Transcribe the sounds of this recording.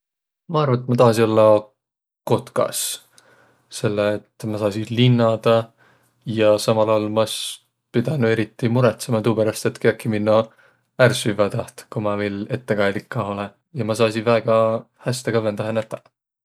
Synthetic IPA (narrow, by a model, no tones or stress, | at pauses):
mɑɑrvɑet̪ːˑmɑt̪ɑhɑsino̞lːɑ | ko̞t̪kɑ̰s | se̞lːeːt̪ːmɑsɑːsilinːɑd̪̥ɑ | jɑsɑmɑlɑwlmɑs | pid̪ɑnue̞ɾit̪ːˑimuɾet̪semɑt̪uːpæɾɑst̪e̞t̪keɑkːiminːo | ærsyvɑt̪ɑht̪kumɑmejle̞t̪ːe̞kɑjd̪likːɑole | jɑmɑs̬ɑːsivæːɡ̥ɑ | hæst̪ekɑvːend̪̥ɑɦenæt̪ːˑɑ